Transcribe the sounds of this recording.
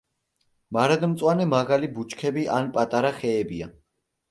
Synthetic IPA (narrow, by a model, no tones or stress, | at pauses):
maɾad̪mt̪sʼwanɛmaɡalibut͡ʃkʰɛbiʔanpʼat̪ʼaɾaχɛːbia